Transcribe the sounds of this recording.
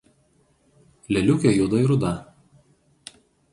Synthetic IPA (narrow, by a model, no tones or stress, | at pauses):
lʲɛlʲʊkʲɛjud̪ɐiɾʊd̪ɐ